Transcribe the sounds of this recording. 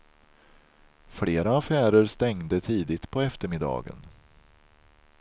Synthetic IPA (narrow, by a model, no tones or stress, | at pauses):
fleːɾaːfæːɾəɾst̪ɛŋd̪ət̪ʰiːd̪ɪt̪pʰɔɛft̪əɾmɪd̪ɑ̰ːɡə̰n